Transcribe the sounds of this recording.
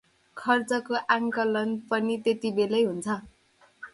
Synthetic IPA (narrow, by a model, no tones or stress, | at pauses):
kʰʌrt͡sʌkoʔaŋkʌlʌnpʌnit̪et̪ibelʌjɦunt͡sʰʌ